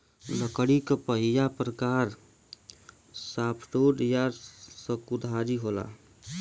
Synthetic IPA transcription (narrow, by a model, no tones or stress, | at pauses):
ləkəɽikəpəɦijapɾəkaːɾ | saːpʰʈoɖjasəkud̪ʱaɾiɦola̰